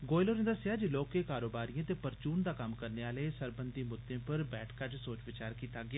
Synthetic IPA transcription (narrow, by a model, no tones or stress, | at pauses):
ɡoːɪloːɾẽnd̪aːsɪaːd͡ʒloːkeːkaːɾoːbaːɾijãːt̪eːpəɾt͡ʃuːnd̪aːkəmkəɾneːaːleːsəɾbənd̪iːmʊd̪ẽːpəɾbɛːʈʰkat͡ʃsoːt͡ʃʋɪt͡ʃaːɾkiːt̪aːɡɪa